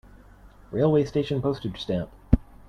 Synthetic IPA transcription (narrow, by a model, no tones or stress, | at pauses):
ɹeɪlˠweɪsteɪʃɨ̃npʰoʊstɨd̥ʒ̥stæ̃mp̚